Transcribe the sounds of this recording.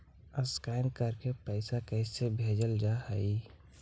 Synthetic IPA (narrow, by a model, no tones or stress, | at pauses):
əskaɪnkəɾkepəɪsakəɪsebʱed͡ʒəld͡ʒahəi